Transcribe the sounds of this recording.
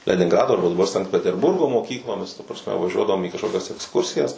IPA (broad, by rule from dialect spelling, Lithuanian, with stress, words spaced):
lʲɛnʲɪŋˈɡrɑːdoː ɐrˈbɐ dɐˈbɐr sɐŋkt pʲɛtʲɛrˈbʊrɡoː moːˈkʲiːklˠoːmʲɪs tɐ prɐsʲˈmʲɛ ʋɐˈʒʲuɔdɐʋoːm iː kɐʃˈkoːkʲɛs ɛksˈkʊrʲsʲɪjɛs